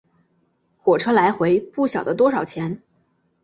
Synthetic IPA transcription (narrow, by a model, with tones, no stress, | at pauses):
xwɔ˨˩ʈ͡ʂʰɤ˥la˧˥ɪxwe˧˥ɪpu˥˩ɕjɑ˨˩ʊd̪ə˦t̪wɔ˥ʂɑ˨˩ʊt͡ɕʰjɛ˧˥n